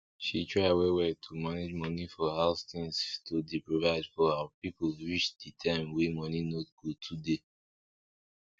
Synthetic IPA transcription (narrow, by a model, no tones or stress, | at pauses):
ʃitʰɹaɪwɛwɛtʰumaned͡ʒmɔnifɔhaʊstĩŋstʰudipɹovaɪdfɔawapipolɹiʃditʰãɪ̃mwemɔninoɡ̥otʰude